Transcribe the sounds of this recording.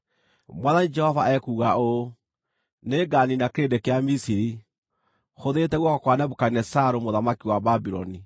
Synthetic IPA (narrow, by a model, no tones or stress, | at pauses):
mwaðanid͡ʒɛhɔvaɛkuːɣao | neɡaninakeɾedekeamisii | xoðetɛɣwɔkɔkwanɛβokainɛsaɾomoðamakiwababiɾɔ̰ni